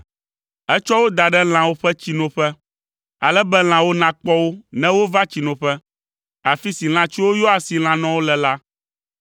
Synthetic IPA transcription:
ɛ˦t͡ʃɔ˦wo˦d̪a˨ɖɛ˦l̃ã˨wo˦ɸɛ˦t͡ɕi˨nɔ̃˨ɸɛ˦ | a˨lɛ˦bɛ˦l̃ã˨wo˦nã˨k͡pɔ˦wo˦nɛ̃˦wo˦va˦t͡ɕi˨nɔ̃˨ɸɛ˦ | a˨fi˦si˨l̃ã˨t͡ɕi˦wo˦jɔ˦a˨si˨l̃ã˨nɔ̃˦wo˦lɛ˨la˦

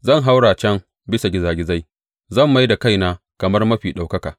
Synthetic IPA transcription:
zɐ˦˨ŋɦa˦wɽaː˨t͡ʃɐ˦ŋ | bɪ˦sa˨ɡʲɪ˦zaː˨ɡʲɪ˦za˦j | zɐ˦˨mːa˦jda˨ka˦˨jnaː˦ | kɐ˨mɐ˦rmɐ˦ɸiː˨ɗa˨wkɐ˦kaː˨

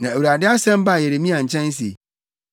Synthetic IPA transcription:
nã˨æ˨wu˨ɾa˨dɪ˦a˦sɛ̃˦m˦ba˦˨jɛ˨ɾe˨mĩ˦ã˨ɲ̩˨t͡ɕʰɛ̃˦n˦s̬i˨

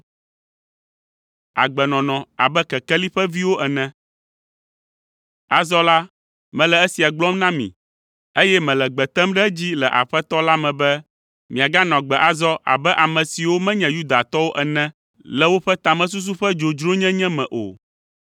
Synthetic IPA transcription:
a̰˨ɡ͡bɛ˨nɔ̃˨nɔ̃˨a̰˨bɛ˦kɛ˨kɛ˦li˦ɸɛ˦vi˦wo˦ʔɛ˨nɛ̃˦ | a˨zɔ˦la˦ | mɛ̃˨lɛ˨e˦si˨a˨ɡ͡blɔ˦mnã˦mḭ̃˨ | e˦jɛ˦mɛ̃˨lɛ˨ɡ͡bɛ˨t̪ɛ˦mɖɛ˦d͡ʑi˦lɛ˨ʔa̰˨ɸɛ˦t̪ɔ˦la˦mɛ̃˨bɛ˦ | mĩ˨a˨ɡa˦nɔ̃˨ɡ͡bɛ˨ʔa˨zɔ˦ʔa̰˨bɛ˦ʔa˨mɛ̃˨si˨wo˦mɛ̃˦ɲɛ̃˨ju˦d̪a˨t̪ɔ˦wo˦ʔɛ˨nɛ̃˦ | lɛ˨wo˦ɸɛ˦t̪a˨mɛ̃˦s̬u˦s̬u˦ɸɛ˦d͡ʒo˨d͡ʒɾo˦ɲɛ̃˦ɲɛ̃˦mɛ̃˨ʔo̰˨

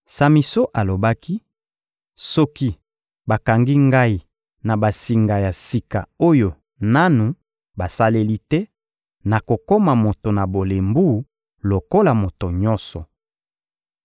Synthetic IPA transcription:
sa˨mi˨so˦ʔa˨lo˨ba˦ki˦ | sɔ˦ki˦ | ba˨ka˨ŋɡi˦ŋɡa˦i˨ | na˨ba˨si˨ŋɡa˨ja˨si˨ka˨o˦jo˨ | na˦nu˨ | ba˨sa˦le˦li˦tɛ˦ | na˨ko˨ko˦ma˨mo˨to˨na˨bo˨le˨mbu˦˨˦ | lo˨ko˦la˨mo˨to˨ɲɔ̃˦nsɔ˨

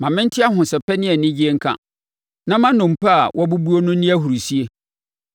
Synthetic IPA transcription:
mã˨mɪ̃˦n̩˦tʰɪ˦a˦ɦʊ̃˨sɛ˨pʰɛ˦nɪ̃˦ɛ˨nɪ̃˦d͡ʑi˦e˦ŋ̩˦kʰã̰˦ | nã˦mã˦nʊ̃˨m̩˨pa˦a˨wʔɔ˦bu˦bu˦o˦nʊ̃˦nɪ̃˦æ˦hu˨ɾu˨si˦e˦

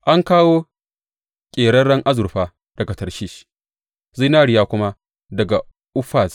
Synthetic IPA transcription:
ʔa˦ŋkaː˦woː˦ | kʲʼeː˨ɽɐː˦ɐ˦ŋʔa˦zʊ˨ɾɸaː˦ | d̥ɐ˨ɡa˨tɐ˨ʃiː˦ʃ | zi˦naː˦ɽɪ˦jaː˦kʷʊ˦ma˦ | dɐ˨ɡa˨ | ʔʊ˦ɸaː˦˨s

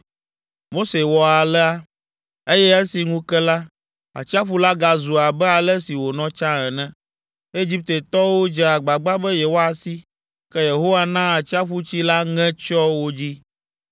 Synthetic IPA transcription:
mo˦se˨wɔ˨a˨lɛ˦a˦ | e˦jɛ˦ɛ˦si˨ŋũ˦kɛ˦la˦ | a̰˨t͡ɕi˦a˦ɸu˦la˦ɡa˨zu˨a˨bɛ˦a˨lɛ˦si˨wo˨nɔ̃˦t͡ʃã˦ɛ˨nɛ̃˦ | e˦d͡ʑi˦p̚t̪e˨t̪ɔ˦wo˦d͡ʒɛ˨a˨ɡ͡ba˨ɡ͡ba˦bɛ˦je˨wo˦a˨si˦ | kɛ˦je˨ɦo˦wa˦nã˦a˨t͡ɕi˦a˦ɸu˦t͡ɕi˦la˦ŋɛ̃˦t͡ʃɔ˦wo˦d͡ʑi˦

